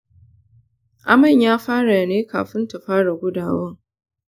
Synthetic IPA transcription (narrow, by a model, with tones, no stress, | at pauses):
ʔa˨mɐ˨ɲjaː˦ɸaː˦ɽa˨neː˦ka̰ː˨ɸɪ˦nta˨ɸaː˦ɽa˨ɡʷʊ˦daː˨wɐ˦ŋ